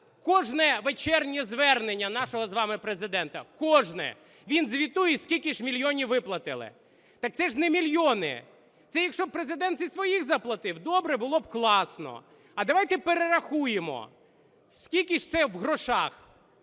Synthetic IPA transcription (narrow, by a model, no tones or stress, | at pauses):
kɔʒnɛʋet͡ʃɛrnʲizʋɛrnenʲːɐnɑʃɔɦɔzʋɑmɪpɾezɪd̪ɛnt̪ɐ̰kɔʒnɛ̰ | ʋʲinzʋʲit̪ujɛsʲkʲilʲkʲiʃmʲilʲjɔnʲiʋɪplˠɐt̪ɪlˠɪ̰ | t̪ɑk̚t̪sɛʒnemʲilʲjɔnɪ̰ | t̪sɛjɐkʃt͡ʃɔb̚pɾezɪd̪ɛnt̪zʲisʋɔjixzɐplˠɐt̪ɪwd̪ɔbɾɛbʊlˠɔb̚klˠɑsnɔ̰ | ɐd̪ɐʋɑjt̪ɛpeɾeɾɐxujemɔ̰ | sʲkʲilʲkʲiʃt̪sɛwɦɾɔʃɑx